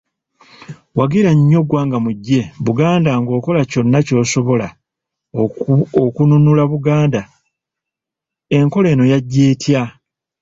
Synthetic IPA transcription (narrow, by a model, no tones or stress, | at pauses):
waɡiɾaɲːo̞ɡwaːŋɡamuɟːe̞βuɡaːndaŋɡo̞ːko̞laco̞nːaco̞ːso̞βo̞la | okununulaβuɡaːnda | e̞ŋko̞le̞ːno̞jaɟːe̞ːtʰja